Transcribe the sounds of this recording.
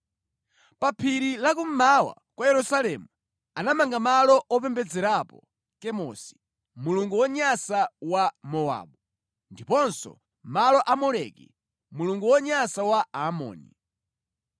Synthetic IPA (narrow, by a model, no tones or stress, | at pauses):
papʰiɾilakum̩mawa̰ | kwajɛɾusalɛmu | anamaŋɡamalɔʔɔp̬ɛmbɛd͡zɛɾapɔ | kɛmɔsi̥ | muluŋɡuwɔɲasawamɔa̰ːɓu | ndipɔnsɔ̰ | malɔʔamɔɾɛ̰kḭ | muluŋɡuwɔɲasawaamɔ̰ːnḭ